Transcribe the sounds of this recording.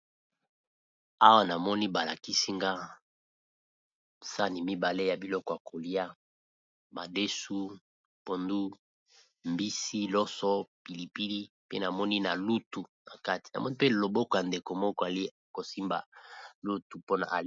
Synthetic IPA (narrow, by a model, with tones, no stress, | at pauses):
a˦wa˦na˨mɔ˦ni˦ba˨la˨ki˦si˦ŋɡa˦ | sa˦ni˨mi˦ba˨le˦ja˨bi˨lɔ˦kɔ˨ja˨kʰo˨li˦a˦ | ba˨de˦su˦ | po˨ndu˦ | mbi˦si˦lɔ˦sɔ˦pi˨li˨pi˦li˦ | pe˦na˨mɔ˦ni˦na̰˨lu˦tu˨na˨ka˦ti̥˨na˨mɔ˦ni˦pe˦lo˨bɔ˦kɔ˨ja˨nde˨ko˨mɔ˦kɔ˦a˨li˦˨ko˨si˦mba̰˨lu˦tu˨po˦na̰˨ʔa˨